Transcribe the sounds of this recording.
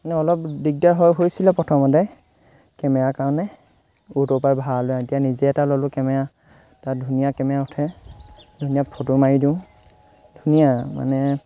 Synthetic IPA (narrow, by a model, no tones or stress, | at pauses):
manɛɔlɔpdiɡ̚daɦɔjɦojsilɛpɹɔtʰɔmɔtɛ | kɛmɛjakaɹɔnɛ | utɔpajbʱalojaitijanizɛɛtalɔlʊkɛmɛja | tadʱunijakɛmɛaʊtʰɛ | dʱunijapʰotʊmaɹidiʊ̃ | d̥ʱunijama̰nɛ